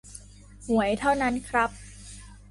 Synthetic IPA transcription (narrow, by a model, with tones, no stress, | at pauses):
hu˩˦əjt̪ʰa˥˩wna˦˥nkʰɾa˦˥p̚